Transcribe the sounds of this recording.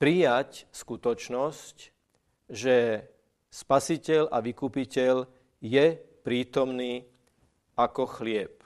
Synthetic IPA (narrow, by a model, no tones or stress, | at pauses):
pɾijacskut̪ɔt͡ʃnɔsc | ʒɛ | spasicɛlaʋikupicɛʎ | jɛpɾiːt̪ɔmniː | akɔxlɪɛp